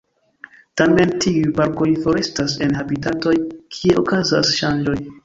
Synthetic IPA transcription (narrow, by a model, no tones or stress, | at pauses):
tame̞ntʰiujpaɾko̞jfo̞ɾe̞stase̞nhabitato̞jkʰie̞ʔokaza̰sʃand͡ʒo̞j